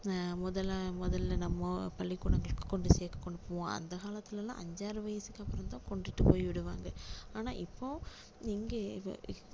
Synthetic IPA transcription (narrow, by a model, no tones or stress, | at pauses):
mʊðɐlmʊðɐlːɐnɐmːɐpɐɭːɪɡʊɳɐŋɡɐɭɯkːɯ̥kːɔɳɖɯseːkːɐ̥kːɔɳɖɯpːɐʋõɐ̰nd̪ɐkaːlɐt̪ːɪlɐlã̰ːʔɐɲd͡ʒaːɾɯʋɐjɐsɯkːɐpːɯɾɐmt̪ãːkɔɳɖɪʈːɯpoːjʋɪɽɯʋaːŋɡɐaːnaːʔɪpːoː | niːŋɡɐ̰